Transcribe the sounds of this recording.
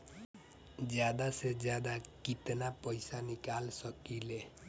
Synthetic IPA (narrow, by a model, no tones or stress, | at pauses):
d͡ʒjad̪ased͡ʒjad̪akit̪napəjsanikalsʌkile